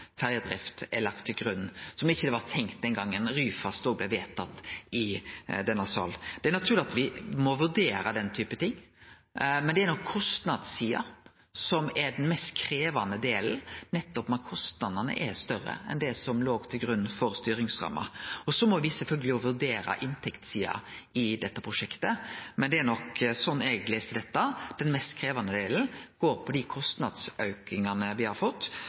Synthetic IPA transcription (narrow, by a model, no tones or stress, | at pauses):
fæɾjəd̪ɾɪ̰ft̪ɛlɑk̚t̪ʰːɪlɡɾʉnːsɔmɪçːəd̪ɛʋɑɾt̪ʰɛŋkt̪̚d̪ɛnɡɑŋːənɾyːfɑst̪ɔɡ̚blɛʋeːt̪ʰːɑt̪ːɪd̪ɛnːɑsɑ̰ld̪̥ɛæɾnɑt̪ʰʉːɾlɪɑt̪ʋɪmɔʋʉɾd̪eːɾəd̪ɛnt̪ʰyːpət̪ʰɪŋː | mɛnd̪ɛæɾnɔkʰːɔst̪nɑd̪siːɑ̰ | sɔmɛɖ̪ɛnmɛst̪kʰɾeːʋɑnəd̪eːl̩nɛt̪ːɔpmɑkʰɔst̪nɑd̪ənə̰ʔɛɾst̪œɾə̰ɛ̰nd̪ɛsɔmloːɡt̪ʰɪlɡɾʉnːn̩fɔɾst̪yːɾɪŋsɾɑ̰mːɑ̰ɔsɔmɔʋɪsɛlfœlɡəlɪɔʋʉɾd̪eːɾɑ̰ʔɪnt̪ʰɛkt̪siːɑ̰ɪd̪ɛt̪ːəpʰɾʊʂɛkt̪əmɛnd̪ɛːɾnɔksɔnːɛɡleːst̪ɪd̪ɛt̪ːəd̪̥ɛnmɛst̪kʰɾeːʋɑnəd̪eːln̩ɡ̥oːɾpʰɔd̪ɪkʰɔst̪nɑd̪sœʉkɪŋɑnəʋɪhɑɾfɔt̪ː